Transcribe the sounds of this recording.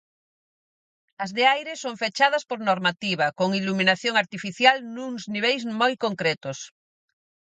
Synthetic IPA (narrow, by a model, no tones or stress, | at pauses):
azðeajɾesoɱfet͡ʃað̞aspoɾnoɾmat̪iβ̞akoŋiluminaθjoŋaɾt̪ifiθjalnuŋzniβ̞ejzmojkoŋkɾet̪os